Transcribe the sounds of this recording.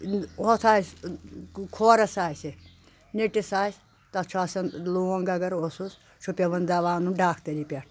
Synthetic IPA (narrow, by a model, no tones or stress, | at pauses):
ot̪ʰaːjs | kʰoːɾɐsaːjse | neʈisaːsʲ | t̪ɐt͡ʃʰuasɐnluːɐŋɡɐɡɐɾosus | t͡ʃʰupʲeʋɐnd̪ɐʋaːnuɖaːkʰt̪ɐɾipʲɐʈʰ